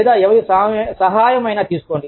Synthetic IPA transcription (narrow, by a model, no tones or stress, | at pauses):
d̪aːɛʋɐɾusɐsɐɦaːjɐmɐjnaːt̪iːsu̥koːɳɖi